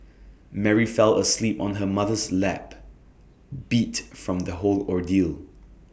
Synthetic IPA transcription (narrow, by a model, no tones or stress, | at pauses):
mɛɹifɛləslipɔ̃nɦəmaðəslɛp | b̥itfɹɔ̃mðəɦolɔɹdil